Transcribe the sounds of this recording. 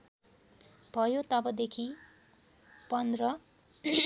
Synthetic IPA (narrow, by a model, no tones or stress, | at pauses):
bʱʌjot̪ʌbʌd̪ekʰi | pʌnd̪rʌ